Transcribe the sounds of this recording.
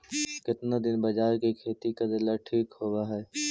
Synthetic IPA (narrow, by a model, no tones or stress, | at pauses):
kɪt̪nad̪ɪnbɐd͡ʒaːɾkikʰeːt̪ikad̪ɪlaʈʰiːkhoːɡaɦɛː